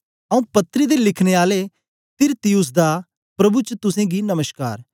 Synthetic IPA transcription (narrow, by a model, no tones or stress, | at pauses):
ɐũpɐt̪ːɾid̪elɪkʰñeaːle | t̪ɪɾt̪ijʊs̬d̪a | pɾɐbut͡ʃt̪ʊsẽɡinɐməʃka̰ːɾ